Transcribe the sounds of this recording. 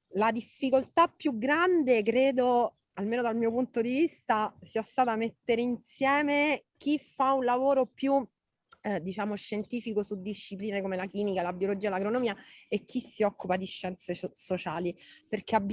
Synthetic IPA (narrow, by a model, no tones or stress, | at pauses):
lad̪ifːikolt̪apːjuɡɾand̪ek̬ɾeːd̪o | almeːnod̪almiːopunt̪od̪ivist̪asiːast̪aːt̪amet̪ːeɾeinsjɛːmek̟ifːaunlavoːɾopju | d̪it͡ʃaːmoʃːent̪iːfikosud̪ːiʃːipliːnekomelakiːmikalabjolod͡ʒiːalaɡɾonomiːaek̟ːisːiɔkːupad̪iʃːɛnt̪sesot͡ʃaːliperk̟eab